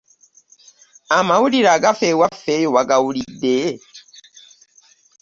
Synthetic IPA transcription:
amawuliɾaɡafewafejowaɡawulidːe

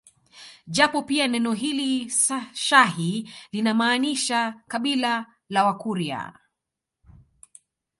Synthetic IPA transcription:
ʄapɔpianɛnɔɦili | ʃahilinamaːniʃakaɓila | lawakuɾia̰

